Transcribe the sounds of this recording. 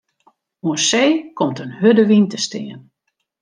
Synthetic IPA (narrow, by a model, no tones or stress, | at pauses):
uənseːkɔmtənhødəʋintəstɪːən